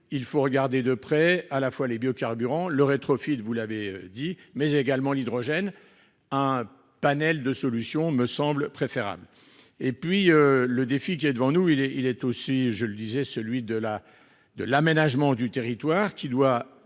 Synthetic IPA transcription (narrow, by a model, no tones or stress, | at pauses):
ilfoʁəɡaʁd̪ed̪əpχɛalafwalebjokaʁbyʁɑ̃ləʁet̪χɔfid̪vulaveød̪imɛzeɡalmɑ̃lid̪ʁɔʒɛn | ɛ̃ | panɛld̪əsɔlysjɔ̃məsɑ̃blpχefeʁa̰bl | epɥiøləd̪efik̬ʲiɛd̪əvɑ̃nuilɛilɛt̪osiʒələd̪izɛsəlɥid̪əla | d̪əlamenaʒmɑ̃d̪yt̪eʁit̪waʁkʲid̪wa